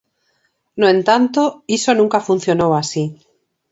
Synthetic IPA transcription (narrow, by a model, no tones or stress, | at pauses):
noẽnt̪ant̪oisonũŋkafun̟θjo̞nowasi